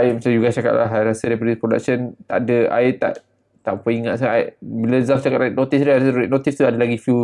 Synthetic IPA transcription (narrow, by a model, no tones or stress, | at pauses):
aɪmat͡ʃamd͡ʒuɡast͡ʃaka̰ʔ̪la̰ɦajɾasədapadipɾoda̰k̚sənt̪aʔdəa̰ɪt̪a̰ʔ | t̪aʔpəiŋaʔ̪saaʔaʔbiləzaft͡ʃakat̪ɾaɪʔ̚not̪isdaaasɾʔnot̪ist̪udadalaɡifju